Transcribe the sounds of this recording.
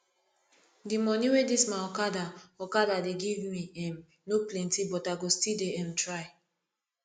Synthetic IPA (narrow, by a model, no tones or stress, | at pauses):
dimɔniwedismãnɔkadaɔkadadeɡivmiɛ̃m | noplɛ̃ntibɔtaɡostideɛmtɹaɪ